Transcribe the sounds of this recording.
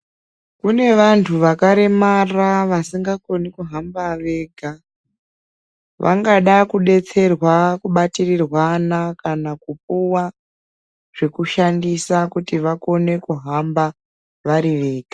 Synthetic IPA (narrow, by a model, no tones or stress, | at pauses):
kune̞ʋantʰuʋakaɾe̞maraʋasiŋɡako̞nikuɦambaʋe̞ːɡʱa | ʋʔa̰ŋɡaɗakuɗe̞t͡se̞rwakuɓatirirwanakanakup̚uwa | ʐ̥e̞kuʃandisakutiʋako̞ne̞kuɦamba | ʋaɾiʋe̞ːɡ̥ʱa